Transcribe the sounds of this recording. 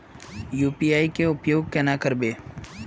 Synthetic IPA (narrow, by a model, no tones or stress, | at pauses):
juːpijaːikeʊpjoːɡ̚kenakəɾbeː